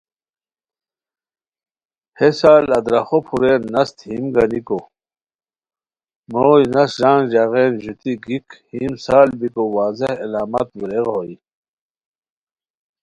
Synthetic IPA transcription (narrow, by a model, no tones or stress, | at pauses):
hesaːlɐd̪ɾɐxopʰuɾeːnːɐst̪himɡɐniko | moːjnɐsʑãːŋɡʑaɣeːnʑut̪iɡikhimsaːlbikowaːzehḛlaːmɐ̰t̪wiɾeɣɦoi